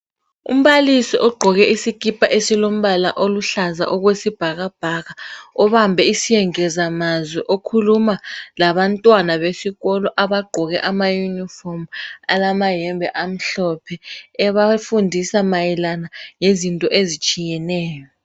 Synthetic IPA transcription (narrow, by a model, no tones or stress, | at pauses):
ṵm̩βalisiʔɔɡ͡ǃʱɔɣɛisikʼipʰʼaʔesilom̩βala̰ʔoluɬaza̰ʔɔɣwesib̥ʱaɣab̥ʱaɣaɔβambʱɛisijɛŋɛzamazwɛʔokʰulumalaβantʼwanaβesiɣɔlɔʔaβaɡ͡ǃʱɔɣɛ̰ʔamajunifɔrma̰lamajɛmbʱɛʔam̩ɬɔpʰɛɛβafundʱisamajɛlanaŋezintʼɔʔezit͡ʃʼijɛnɛːjɔ